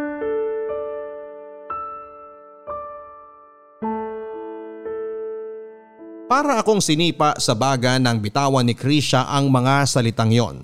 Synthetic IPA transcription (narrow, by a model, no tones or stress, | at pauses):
paːɾɐʔɐko̞ŋsɪniːpɐʔsɐbaːɡɐnɐŋbɪt̪aːwɐnɪkɾiʃɐʔɐŋmɐŋasɐlɪt̪aŋjo̞̰n